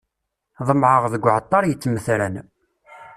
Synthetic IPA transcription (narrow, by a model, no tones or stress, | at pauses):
ðˤəmʕəʁðəɡʷːʕət̪ˤːɑɾˤjət͡sːməθɾæn